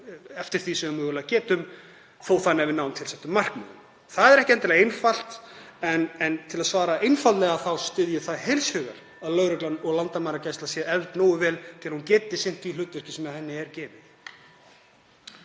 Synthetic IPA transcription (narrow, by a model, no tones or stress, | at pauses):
ɛft̪ɪɾ̥θvisɛɣʏmːʏɣɛlacɛːt̪ʏm | θoːwθanːɛvɪnawnt̪ʰɪlsɛht̪ːʏmːar̥kma̰nʏm | θaðɛɾɛhcɪɛnt̪alaɣejnfal̥t̪ɛnɛnt̪ʰɪlaðsvaːɾaʔejnfallɛɣaθawst̪ʏðjʏθaðhejlshʏɣa̰ɾ̥ | aðlœɣɾœklanːɔɣlant̪amaːɾacaːjst̪lasjɛɛvt̪noːwʏvɛːlt̪ʰɪlahuncɛːt̪ɪsɪn̥t̪vilʏːt̪ːvʏr̥cɪsɛmɛðhɛnːɪɛɾcɛːvɪð